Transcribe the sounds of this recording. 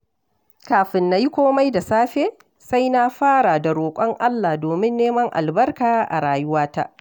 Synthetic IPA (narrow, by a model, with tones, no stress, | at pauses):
kaː˨ɸɪ˨nːa˨˦ji˦kʷoː˦ma˦jda˨saː˦ɸeː˦ | sa˦jna˦ɸaː˦ɽa˨da˨ɾoː˨kʷʼɔ˦ŋʔa˦lːa˨doː˨mɪ˦nːeː˦mɐ˦ŋʔa̰˨lbɐ˦rkaː˨ʔa̰˨ɽaː˨jʊ˦waː˦ta˦ʔ